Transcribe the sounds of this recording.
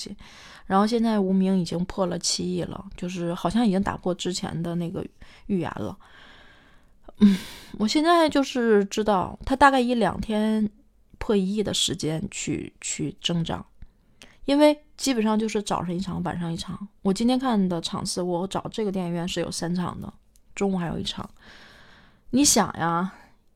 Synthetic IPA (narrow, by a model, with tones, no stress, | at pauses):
ɕḭ˨˦ | ɻa˧˥nxo˥˧ʊɕ̬jɛ˥˧nt͡sa˥˩ɪu˧˥mi˧˥ŋi˨˩t͡ɕi˥ŋpʰɔ˥˩lə˩t͡ɕʰi˥˧i˥˩lə̰˩t͡ɕjo˥˧ʊʂ̬ɻ̩˥˩xɑ˨˩ʊɕjɑ˥˩ŋi˨˩t͡ɕi˥ŋt̪a̰˨˩kwɔ˥˧ʈ͡ʂɻ̩˥t͡ɕʰjɛ̰˧˥nd̪ə˧na˥˩ɡə̰˩y˥˩jɛ̰˧˥nlə̰˧ | n̩˥˩wɔ˨˩ɕjɛ˥˧nt͡sa˥˧ɪt͡ɕjo˥˧ʊʂɻ̩˥˩ʈ͡ʂɻ̩˥t̪ɑ˥˩ʊt̪ʰa˥t̪a˥˧ka˥˩ɪi˧˥ljɑ̰˨˩ŋt̪ʰjɛ˥n | pʰɤ˥˧i˧˥i˥˩d̪ə˩ʂɻ̩˧˥t͡ɕjɛ˥nt͡ɕʰy̰˥˧t͡ɕʰy˥˩ʈ͡ʂɤ˥ŋʈ͡ʂɑ̰˨˩˦ŋ | i˥nwe˥˩ɪt͡ɕi˥pə˨˩nʂɑ˥˧ŋt͡ɕjo˥˧ʊʂɻ̩˥˩ʈ͡ʂɑ˨˩ʊʂɑ˧˥ŋi˥˩ʈ͡ʂʰɑ˧˥ŋwa̰˨˩nʂɑ˥˧ŋi˥˩ʈ͡ʂʰɑ˨˧˩ŋwɔ˨˩t͡ɕi˥nt̪ʰjɛ˥nkʰa˥˩nd̪ə˩ʈ͡ʂʰɑ̰˨˩ŋsɹ̩˥˩wɔ˧˥ʈ͡ʂɑ˨˩ʊʈ͡ʂɤ˥˩ɡə˩t̪jɛ˥˩nɥɛ˥˧nʂɻ̩˥˩jo̰˨˩ʊsa˥nʈ͡ʂʰɑ̰˨˩ŋd̪ə̰˦ | ʈ͡ʂʊ˥ŋu˥˩xa˧˥ɪjo̰˨˩˨i˥˩ʈ͡ʂʰɑ̰˨˩˦ | ni˧˥ɕjɑ̰˨˩ŋjʔa˥